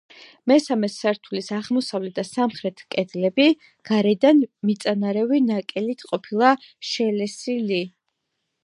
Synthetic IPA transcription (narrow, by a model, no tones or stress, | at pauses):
mɛsamɛsaɾt̪ʰulisaʁmɔsavlɛt̪̚d̪asamχɾɛt̪ʰkʼɛd̪lɛbi | ɡ̥aɾɛd̪anmit̪sʼanaɾɛvinakʼɛlit̪ʰqʼɔpʰilˠaʃɛlɛsili